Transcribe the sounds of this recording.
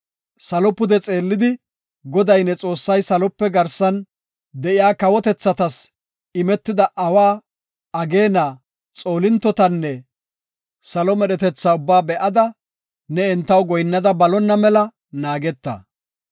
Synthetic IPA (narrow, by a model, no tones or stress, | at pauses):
sɐlɔpʊd̪ɛt͡sʼe̞ːlːɪd̪ɪ | ɡɔd̪ɐjnɛt͡sʼo̞ːsːɐjsɐlɔpːɛɡɐɾsɐn | d̪ɛʔɪjaːkɐwɔt̪ɛt͡sːɐt̪ɐs | ɪmɛt̪ːɪd̪ɐʔɐwaː | ɐɡe̞ːnaː | t͡sʼo̞ːlɪnt̪ːɔt̪ɐnːɛ | sɐlɔmɛɗɛt̪ɛt͡sːaʊbːaːbɛʔɐd̪ɐ | nɛɛnt̪ːɐwɡɔjnːɐd̪ɐbɐlɔnːɐmɛlɐ | naːɡɛt̪ːɐ̰